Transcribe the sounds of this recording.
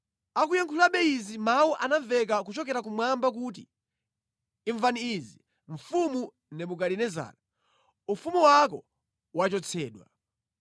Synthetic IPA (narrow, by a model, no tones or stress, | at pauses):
akujaŋkʰulaɓɛizimawuʔanaɱvɛk̬ak̬ut͡ʃɔkɛɾakumwambak̬ut̬i | ɱvaniːzi | ɱ̩fumu | nɛmukalinɛza̰ːla | ufumuwak̬ɔ | wat͡ʃɔt͡sʰɛːɗwa